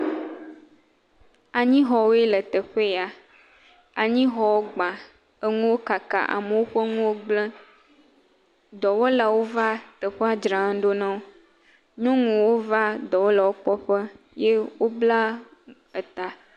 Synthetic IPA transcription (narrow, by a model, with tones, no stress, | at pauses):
a˨ɲĩ˦ɦɔ˨wo˦e˦lə˨t̪ə˨ɸe˦˨a˨ | a˨ɲĩ˦ɦɔ˨wo˦ɡ͡bã˨ | ə˦ŋũ˦wo˦ka˨ka̰˨ʔa̰˨mə˨wo˦ɸe˦ŋũ˦wo˦ɡ͡blɛ̃˦ | d̪ɔ˨wɔ˦la˨wo˦va˦t̪ə˨ɸe˦a˦d͡ʒɾã˨˦ɖo˦nã˦wo˦ | ɲɔ̃˦ŋũ˨wo˦va˦d̪ɔ˨wɔ˦la˨wo˦k͡pɔ˦ɸə˦ | je˦wo˦bla˦ | ə˨t̪a˨